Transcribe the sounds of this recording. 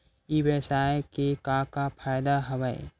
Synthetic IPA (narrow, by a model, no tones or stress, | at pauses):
iːʋjɐsaːjkekãkapʰaːjd̪aɦɐʋaḛ